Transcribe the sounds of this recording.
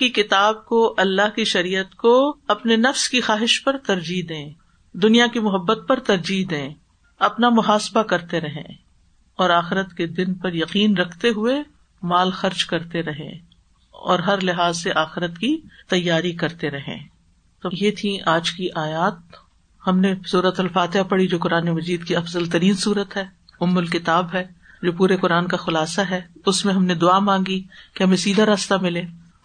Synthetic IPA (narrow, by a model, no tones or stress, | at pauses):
kikɪt̪aːb̚koʔɐlːaɦkiʃɐɾiːət̪koɐpnenɐfskixaːɦɪʃpɐɾt̪ɐɾd͡ʒiːd̪ẽː | d̪ʊnijakimʊɦɐbːət̪̚pɐɾt̪ɐɾd͡ʒiːd̪ẽː | ɐpnamʊɦaːsbakɐɾt̪eɾɐɦḛ̃ː | ɔːɾaːxɪɾət̪ked̪ɪnpɐɾjɐqiːnɾɐkʰt̪eɦʊe | maːlxɐɾd͡ʒkɐɾt̪eɾɐɦḛ̃ː | ɔ̰ːɾɦɐɾlɪɦaːzseʔaːxɪɾət̪kit̪ɐjːaːɾikɐɾt̪eɾɐɦḛ̃ː | t̪oːjeːt̪ʰĩʔaːd͡ʒkiʔaːjaːt̪̚ | hɐmnesuːɾət̪ɐlfaːt̪ɪapɐɽid͡ʒoːkʊɾaːnemɐd͡ʒiːd̪kiɐfzəlt̪ɐɾiːnsuːɾət̪ɦɛː | ʊmːʊlkɪt̪aːbɦɛːd͡ʒoːpuːɾekʊɾaːnkaxʊlaːsaɦɛːʊsmẽɦɐmned̪ʊaːmãːŋɡikeɦɐmẽsiːd̪ʱaɾaːst̪amɪleː